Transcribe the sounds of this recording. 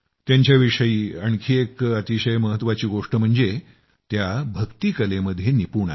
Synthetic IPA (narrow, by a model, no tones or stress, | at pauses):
t̪jaɲt͡ɕjaʋiʂəjiːəɳkʰiːekət̪iɕəjməɦət̪ːʋat͡ɕiːɡoʂʈəm̤əɳd͡ze | t̪jabʱəkt̪iːkəleməd̪ʱjenipuɳa̰